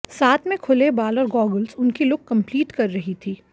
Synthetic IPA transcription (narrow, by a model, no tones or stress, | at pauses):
saːt̪ʰmẽkʰʊlebaːlɔːɾɡɔːɡəlsʊnkilʊkːɐ̃mpliːʈkɐɾːɐɦit̪ʰiː